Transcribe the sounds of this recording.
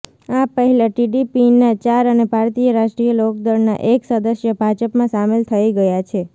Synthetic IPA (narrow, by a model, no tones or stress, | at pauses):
apəɦɛlaʈiɖipinat͡ʃaɾənebʱaɾt̪ijəɾaʃʈɾijəlok̚d̪əɾna̰ʔeksəd̪əsjəbʱad͡ʒəpmãsamelt̪ʰəiɡəjat͡ʃʰe